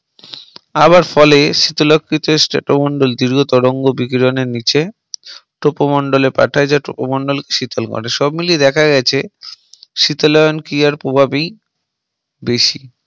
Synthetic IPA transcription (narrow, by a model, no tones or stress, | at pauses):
aβaɾfɔleʃit̪olokʰːit̪oesʈḛʈomɔɳɖold̪iɾɡʱot̪oɾoŋɡobikɾoneɾnit͡ɕe | ʈopomoɳɖolepa̰ʈʰaed͡ʑaʈo̰pomoɳɖolke̥ʃit̪ʰolɡɔ̰ɽeʃɔbmilied̪ɛkʰaɡɛt͡ɕʰe | ʃit̪olɔjonkijaɾpɾobʱabij | beʃi